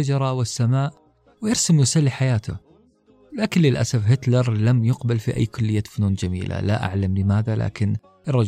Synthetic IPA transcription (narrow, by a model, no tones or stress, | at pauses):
ad͡ʒɾˤɑwɪsːamaːʔ | wjɪɾsɪmjʊsalːiħajaːt̪ʊ̰ | laːkɪnlɪlʔa̰safɦɪt̪lɑɾˤlamjʊqbalfiʔa̰jːkʊlːɪjːafʊnuːnd͡ʒamḭːla̰la̰ʔa̰ʕlamlɪmaːðala̰ːkɪn | ʔrˤːɑ